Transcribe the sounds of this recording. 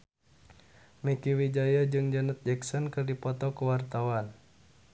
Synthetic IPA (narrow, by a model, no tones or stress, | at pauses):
mikiwid͡ʒajad͡ʒɨŋd͡ʒənət̪̚d͡ʒɛksɔnkɨrdipɔt̪ɔkuwart̪awan